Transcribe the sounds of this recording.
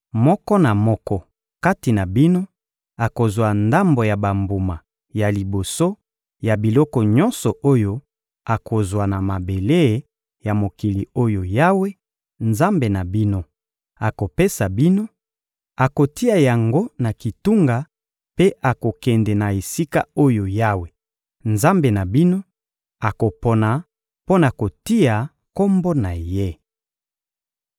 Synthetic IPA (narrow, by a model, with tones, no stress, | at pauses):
mɔ˦kɔ˦na˨mɔ˦kɔ˦ | ka˦ti˨na˨bi˦no˦ | a˨ko˨zwa˨nda˦mbo˨ja˨ba˨mbu˨ma˨ | ja˨li˨bo˨so˦ | ja˨bi˨lɔ˦kɔ˨ɲɔ̃˦nsɔ˨ʔo˦jo˦ | a˨ko˨zwa˨na˨ma˨be˨le˦˨ | ja˨mo˨ki˨li˨o˦jo˨ja˦we˦ | nza˦mbe˨na˨bi˦no˦ | a˨ko˨pe˦sa˨bi˦no˦ | a˨ko˨ti˦a˨ja˨ŋɡo˦na˨ki˨tu˦ŋɡa˨ | pe˦ʔa˨ko˨kɛ˨ndɛ˨na˨e˨si˦ka̰˦o˦jo˨ja˦we˨ | nza˦mbe˨na˨bi˦no˦ | a˨ko˨po˨na˨ | po˦na˨ko˨ti˦a˨ | ko˦mbo˦na˨je˦